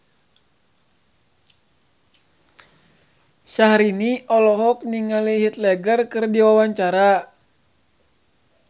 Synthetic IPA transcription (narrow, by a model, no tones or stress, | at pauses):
sahɾiniʔɔlɔɦɔk̚niŋaliɦit̪̚lɛɡərkɨrdiwawaɲt͡ʃaɾa